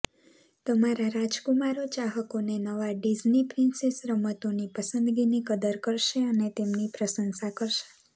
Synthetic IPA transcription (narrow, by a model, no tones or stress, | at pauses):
t̪əmaɾaɾad͡ʒkumaɾot͡ʃaɦəkonenəʋaɖid͡ʒnipɾɪnsesɾəmət̪onipəsənd̪ɡinikəd̪əɾkəɾʃeənet̪emnipɾəsənsakəɾʃe̥